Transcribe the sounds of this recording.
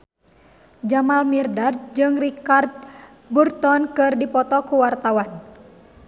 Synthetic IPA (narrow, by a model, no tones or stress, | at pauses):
d͡ʒamalmirdard͡ʒɨŋrikart̪̚ | burt̪ɔnkɨrdipɔt̪ɔkuwart̪awan